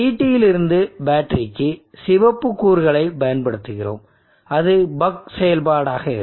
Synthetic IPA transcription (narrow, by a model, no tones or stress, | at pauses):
iːʈːɪjɪlɪɾɯnd̪ɯbaːʈːɾɪkːɯsɪʋɐpːɯkːuːɾɣɐɭɐɪpɐjɐnpɐɽɯt̪ːɯɣɪro̰ːm | ɐðɯbɐksɛjɐlbaːɽaːɣɐɪ̰